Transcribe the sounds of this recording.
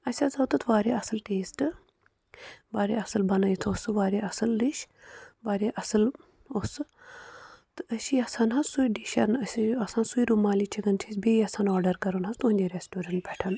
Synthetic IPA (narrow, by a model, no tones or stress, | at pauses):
ɐsʲazɐwt̪ɨt̪ʰʋaːɾeːɐsɨlʈeːsʈɨ | ʋaːɾeːɐsɨlbɐnɐjit̪ʰosɨʋaːɾʲeɐsɨlːiʃ | ʋaːɾeːʔɐsɨl | osɨ | t̪ɨɐsiɐsanɦɐsujɖiːʃɐnɐsʲiɐsãːnsujɾumaːliːt͡ʃʰiɡɐnt͡ʃʰisʲbeːiɐsaːnɔːɾɖɐɾkɐɾunɦɐst̪unʲd̪ʲeɾesʈuːɾɐɳʈ̚bʱʲɛʈʰɐn